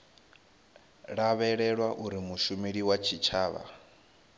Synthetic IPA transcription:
ɺaβɛɺɛɺwaʔuɾimuʃumiɺiwat͡ʃʰit͡ʃʰaːβa̰

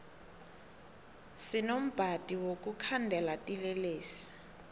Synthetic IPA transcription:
sinom̩b̥ʱad̥ʱʼiwok̬ʼukʰandʱɛlatʼilɛleːsi̥

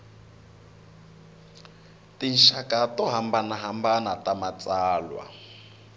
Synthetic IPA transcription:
tinʃakatɔɦambanaɦambanatamat͡saːlwa̰

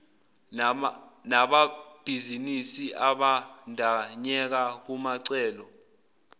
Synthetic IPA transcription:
naɓab̥ʱizinisiʔaɓandʱaɲɛk̬ak̬umaǀɛːlɔ

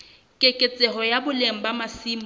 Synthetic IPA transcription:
kʼekʼet͡sʼerɔjabʊleŋ̩bamasiːmɔ

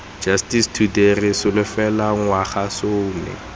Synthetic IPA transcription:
d͡ʒastistʰuderɪsʊlʊfɛlaŋwaχasoːnɪ̰

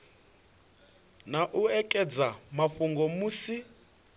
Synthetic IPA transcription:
naʔuɛkʼɛd͡zamaɸuŋɡɔmuːsi

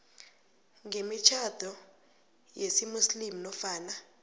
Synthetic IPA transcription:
ŋemit͡ʃʰad̥ʱɔ | jesimuslimunɔfaːna

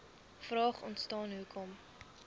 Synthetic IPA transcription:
frɑːχɔ̰ntstɑːnɦukʰɔm

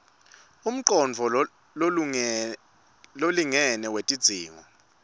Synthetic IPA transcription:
um̩ǃɔnd͡vʱɔ | lo | loliŋɛnɛwetʼid̥d͡z̥ʱiːŋɔ

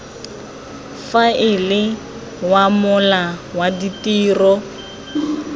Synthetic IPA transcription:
faʔɪlɪ | wamʊlawaditiːrɔ

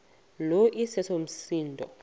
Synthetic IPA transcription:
loʔisɛsom̩siːndʱɔ̰

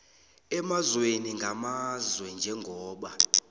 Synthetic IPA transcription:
ɛmazweniŋɡʱamazwɛnd͡ʒʱɛŋɡʱɔːɓa

